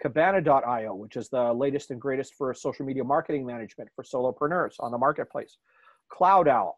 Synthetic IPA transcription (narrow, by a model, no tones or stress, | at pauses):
kʰɨbæñɨdɔɾaɪoʊwət͡ʃɨzðəleɪɾɨstɨ̃nɡɹeɪɾɨstfə˞soʊʃl̩ˠmiɾiɨmɑɹkɨɾɪ̃ŋmænɨd͡ʒmɨ̃ntfə˞soʊlˠoʊpʰɹ̥ɨnɜ˞z̥̃n̩ðəmɑɹkɨt̚pʰl̥ḛɪs | kʰl̥aʊɾaʊ